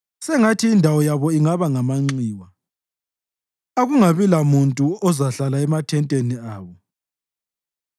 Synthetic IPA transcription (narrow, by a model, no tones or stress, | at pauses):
sɛŋatʰiːndʱawɔjaβɔiŋaβaŋamaŋ͡ǀiːwa | aɣuŋaβilamuntʼuɔzaɬalaɛmatʰɛntʼeniaːβɔ